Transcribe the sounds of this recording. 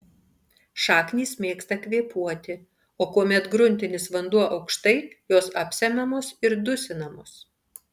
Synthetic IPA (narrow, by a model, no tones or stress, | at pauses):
ʃɑːknʲiːsmʲeːkst̪ɐkʲʋʲiɛpuɔt̪ʲɪ | oːkuɔmʲɛt̪ɡɾʊnʲt̪ʲɪnʲɪsʋɐnd̪uɔʔɐʊkʃt̪ɐɪjoːsɐpʲsʲɛmʲɛmoːsɪɾd̪ʊsʲɪnɐmoːs